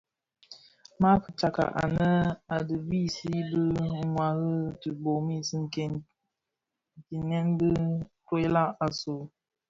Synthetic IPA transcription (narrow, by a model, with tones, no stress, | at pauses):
ma˦pə˨t͡ʃa˨ka̰˨ʔa̰˨nə˦a˨dɨ˨bi˦si˦bə˦ŋwa˨ɣə˦tɨ˨bo˨mi˦˨sɨ˦ŋ˨ke˨n˨ | ti˨nɛ˦nbɨ˦to˦la˦a˨so˨